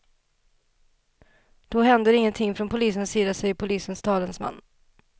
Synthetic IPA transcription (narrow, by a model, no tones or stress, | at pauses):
d̪̥ɔɦɛnd̪əɾɪŋːənt̪ʰɪŋːfɾɔnpʰʊliːsənsːiːd̪asɛjpʰʊliːsənst̪ʰɑːlənsma̰nː